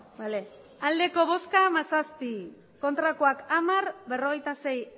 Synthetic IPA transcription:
bale | ald̪e̞ko̞βo̞skamasaspi | ko̞nt̪ɾakoakamaɾbe̞ro̞ɣejt̪ase̞j

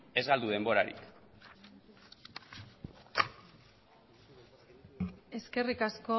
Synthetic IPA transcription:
e̞zɣald̪uð̞embo̞ɾaɾḭk | e̞ske̞rikasko

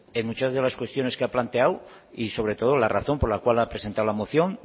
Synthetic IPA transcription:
enmut͡ʃazðe̞laskwe̞st̪jo̞ne̞skeaplant̪e̞aw | iso̞β̞ɾe̞t̪o̞ð̞olaraθo̞mpo̞ɾlakwalapɾese̞nt̪awlamoθjo̞n

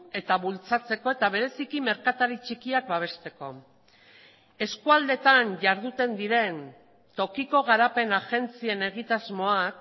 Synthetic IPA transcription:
e̞t̪aβult͡sat͡se̞ko̞e̞t̪aβ̞e̞ɾe̞sikime̞ɾkat̪aɾit͡ʃikiak̚baβ̞e̞st̪e̞ko̞ | e̞skuald̪e̞t̪aɲʝaɾðut̪e̞nd̪iɾe̞n | t̪o̞kiko̞ɣ̞aɾape̞naʝe̞nt͡sie̞ne̞ɣ̞it̪azmo̞ak

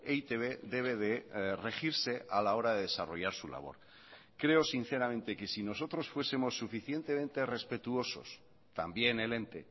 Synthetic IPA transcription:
eit̪eβe̞ðe̞β̞e̞ðere̞xiɾse̞ʔalao̞ɾaðeðe̞saro̞ʝaɾsula̰β̞o̞̰ɾ | kɾe̞osin̟θe̞ɾamẽnt̪e̞ke̞sino̞so̞t̪ɾo̞sfwe̞semo̞sːufiθje̞nt̪e̞mẽ̞nt̪e̞re̞spe̞t̪uo̞so̞̰s | t̪ambje̞ne̞le̞nt̪e̞

